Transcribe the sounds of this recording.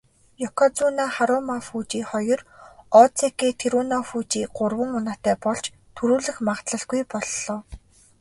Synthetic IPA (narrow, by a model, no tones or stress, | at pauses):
jɔkʰɔt͡sunaχaɾʊmafuːt͡ɕiːχɔjɞ̆rɔt͡sʰeket̪ʰeɾunɔfuːt͡ɕiːɢʊrwə̆ŋʊnaːt̪æːpɔɮt͡ɕ | t̪ʰɵɾuːɮɘ̆xmaʁt̪ɮə̆ɮɡujpɔɮːɔː